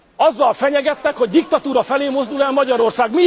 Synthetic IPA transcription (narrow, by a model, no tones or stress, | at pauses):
ɒzːɒlfɛɲɛɡɛt̪ːɛkho̞ɟd̪ik̚t̪ɒt̪uːɾɒfɛleːmo̞zd̪ulɛlmɒɟɒɾo̞rsaːɡmi